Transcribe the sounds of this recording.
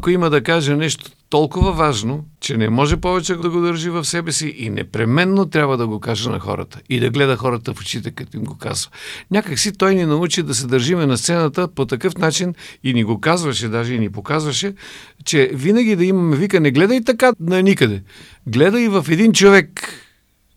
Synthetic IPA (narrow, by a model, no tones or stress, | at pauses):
akoiməd̪ɐkaʒenɛʃt̪o̥t̪ɔlˠkʊvɐvaʒnot͡ʃɛnɛmɔʒɛpɔvɛt͡ʃɛɡod̪ɐɡod̪əɾʒivɐfsɛbɛsiʔinɛ̰pɾɛmɛnːot̪ɾʲjabvəd̪ɐɡokaʒɛnɐ̰xɔ̰ɾə̰t̪ə̥id̪ɐɡlɛd̪əxɔɾət̪əfo̥t͡ʃit̪ɛkɐt̪ɔimɡoka̰zvənʲakəksit̪ɔjninɐut͡ʃid̪ɐs̬ɛd̪əɾʒimɛnɐst̪sɛnət̪əpot̪ɐkɤfnat͡ʃininiɡokazvɐʃɛd̪aʒɛinipokazvɐʃɛ | t͡ʃɛvinəɡ̟ʲid̪ɐimɐmɛvikənɛɡlɛd̪əit̪ɐkanɐnikəd̪ɛ | ɡlɛd̪əivɐfɛd̪int͡ʃovɛk